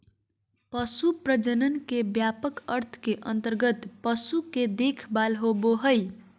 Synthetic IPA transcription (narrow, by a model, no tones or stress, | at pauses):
pʌsupɾəd͡ʒənənkebjapəkəɾt̪ʰkeʔʌnt̪əɾɡət̪pʌsuked̪ekʰbalɦoboɦəj